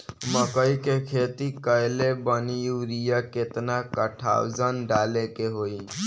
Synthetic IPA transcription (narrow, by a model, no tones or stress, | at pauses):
məkəikekʰeːt̪ikəjlebənijuɾijaket̪nakəʈʰa̰wd͡ʒənɖaːlekeɦoi